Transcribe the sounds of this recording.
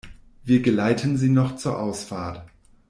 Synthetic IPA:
viːɐɡəlaɪtʰənziːnɔχt͡suːɐʔaʊsfaːɐt

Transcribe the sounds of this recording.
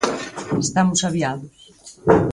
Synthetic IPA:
est̪amusaβiaðos

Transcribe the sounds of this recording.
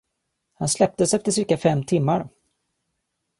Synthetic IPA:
hanslɛp̚t̪əsɛft̪əʂɪɾkafɛmːt̪ʰɪmːaɾ

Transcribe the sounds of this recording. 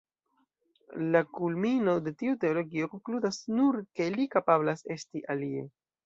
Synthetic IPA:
lakulmino̞de̞tiute̞olo̞ɡio̞ko̞ŋkludasnuɾke̞likapablase̞stiʔalie̞

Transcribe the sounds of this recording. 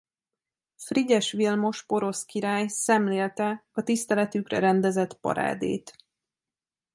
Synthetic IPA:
friɟɛʃʋilmo̞ʃpo̞ɾo̞skiɾaːjsɛmleːlt̪ɛɒt̪ist̪ɛlɛt̪ykrɛ̰ɾɛnd̪ɛzɛt̪pɒ̰ɾa̰ːd̪ḛːt̪

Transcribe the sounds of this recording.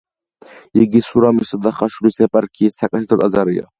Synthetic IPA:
iɡisuɾamisad̪aχaʃulisapʼaɾkʰijɛst̪ʰakʼasit̪ʰɨt̪ʼazaɾija̰

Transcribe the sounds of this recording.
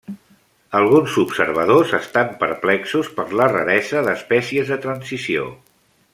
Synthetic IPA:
əlˠɣ̞unzupsəɾβəðozəst̪ampəɾplɛksuspəɾlərə̰ɾɛzəðəspɛsiəzðət̪ɾənsisio̰

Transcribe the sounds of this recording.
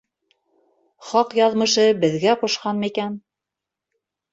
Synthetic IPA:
χɑqjɑðmɤ̆ʃɤbɘ̆ðɡæqŏʃqɑnmɘikæn

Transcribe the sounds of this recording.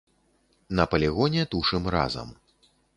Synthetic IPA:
nɐpɐlʲiɣɔnʲɛt̪uʂɨmra̰zɐ̰m

